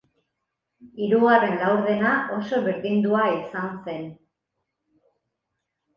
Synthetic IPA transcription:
iɾuɣare̞nlawɾðe̞naʔo̞so̞βeɾðind̪uaisanse̞n

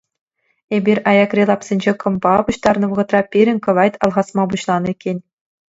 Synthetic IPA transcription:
ebʲirʲɑjɑkrʲelˠɑpsʲenʲd͡ʑekɤ̆mbɑbuɕt̪ɑrnɤ̆ʋɤ̆ʁɤ̆t̪rɑpʲiɾʲɘ̆nʲkɤ̆ʋɑjt̪ʲɑlˠʁɑsmɑbuɕlˠɑnɤ̆ikʲːenʲ

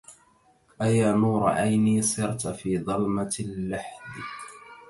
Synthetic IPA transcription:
ʔajaːnuːɾˤɑ̰ʔajniːsˤɨɾt̪fiːðˤɑlmalːaħd̪

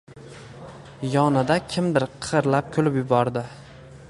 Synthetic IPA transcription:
jɒnɪd̪akʲʰɪmd̪ɪɾqʰɨɾlap̚kʲʰolɪpjʊbɒɾd̪ɪ

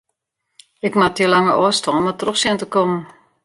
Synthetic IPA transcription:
ɪkmatiəlaŋəʔɔstɔnmatroxsɪntəkɔmən̩

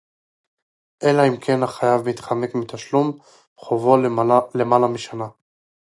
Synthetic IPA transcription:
ʔelaimkʰe̞nhaχajavit̪χame̞kmit̪aʃlum | χovo̞le̞malamiʃana

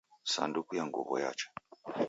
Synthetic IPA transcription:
sa̰ndukujaŋɡṵβɔja̰t͡ʃḁ

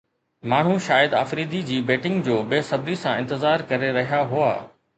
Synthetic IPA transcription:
maːɳ̤̃ũʃaːjɪəd̪a̰ːfɾiːd̪id͡ʑiːbeːʈɪ̃ŋɡd͡ʑoːbeːsɐbɾisãɪ̃nt̪ɪzaːɾkɐɾeɾɐɦijaɦua̰ː

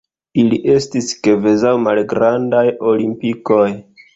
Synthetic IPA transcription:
iliʔe̞stiske̞ve̞zawmalɡɾandajo̞limpiko̞j

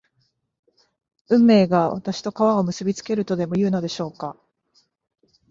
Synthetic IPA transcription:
ɯ̟̃mːe̞ːɡaβa̰t̪aɕi̥t̪o̞kaβao̞mɯ̟sɨbʲit͡sɨ̥ke̞ɾɯ̟t̪o̞d̪e̞mo̞jɯ̟ːnod̪e̞ɕo̞ːka

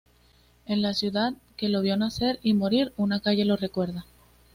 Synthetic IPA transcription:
e̞nlasjuðaðke̞lo̞βjo̞naθe̞ɾimoɾiɾunakaʝe̞lo̞re̞kwe̞ɾða

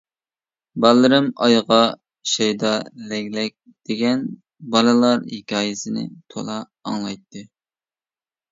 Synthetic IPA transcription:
bɑlˠːɨɾɨmɑjʁɑ | ʃɛjd̪ɑlɛɡʲlɛk̚ʲ | d̪̥eɡʲɛn | bɑlˠɨlˠɑɾhikʲɑːjɪsɪnɪ̰t̪ʰo̰lˠɑː | ŋlˠɑjt̪ːɨ

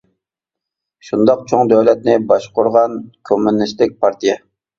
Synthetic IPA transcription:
ʃund̪ɑq̚t͡ʃʰoŋd̪øwlɛt̪̚nɪbɑʃqʊɾʁɑnkʲʰømɪnːɪʃlɪk̚ʲpʰɑɾt̪ijɛ

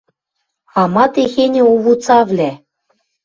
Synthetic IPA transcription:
ɑmɑt̪exenʲĕuβut͡sɑvlʲæ

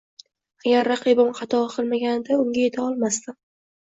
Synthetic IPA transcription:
aɡʲaɾːɑqʰɨbɪmqɑt̪ʰɒqʰɨlˠmaɡʲanɪd̪aʊŋɡʲaje̞t̪ʰaɒlˠmast̪ɪ

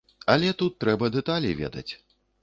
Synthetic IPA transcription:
ɐlʲɛt̪ut̪ːɾɛbɐd̪ɛt̪alʲivʲɛ̰d̪ɐ̰t͡sʲ

